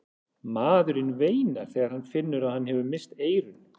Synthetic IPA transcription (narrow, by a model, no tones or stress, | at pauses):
maːðʏɾɪnveːjnaɾ̥θɛːɣaɾ̥hanːfɪnːʏɾaðhanːhɛvʏmɪst̪eːjɾʏn